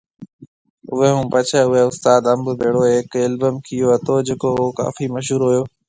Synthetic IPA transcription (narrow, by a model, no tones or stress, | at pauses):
ʊɦeɦũːpɐt͡ʃʰəʊɦeʊst̪aːd̪ɐmbʊbʱeːɽoeːkɐlbəmkʰijoɐt̪ʰod͡ʑeːkoʊɦoka̰ːfimɐʃɦuːɾɦʊjoː